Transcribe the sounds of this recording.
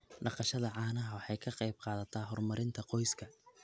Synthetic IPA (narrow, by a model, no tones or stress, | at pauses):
ɖɑqɑʃɐðɐʕɑːnɐɦɐwɑħɑjkʰɐqɑjb̚qɑːðɐt̪ʰaːɦɔrmɐɾɪnt̪ʰɐqɔjskʰɐ